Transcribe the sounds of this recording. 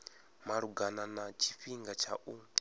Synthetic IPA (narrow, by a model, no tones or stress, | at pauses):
maɺuɡananat͡ʃʰiɸiŋɡat͡ʃʰaʔu